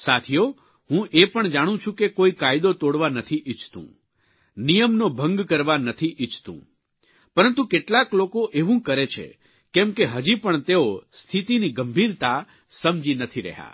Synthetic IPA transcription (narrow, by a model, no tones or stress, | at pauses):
sat̪ʰijo | ɦũʔepəɳd͡ʒaɽ̃ũt͡ʃʰũkekoikajd̪ot̪oɽʋanət̪ʰiʔɪt͡ʃt̪ṵ̃ | nijəmnobʱə̃ŋɡkəɾʋanət̪ʰiʔit͡ʃt̪ṵ̃ | pəɾənt̪ukeʈlaklokoʔeʋũkəɾet͡ʃʰḛ | kɛ̃mkeɦəd͡ʒipəɳt̪eost̪ʰit̪iniɡəmbʱiɾt̪a | səmd͡ʒinət̪ʰiɾə̰ɦja̰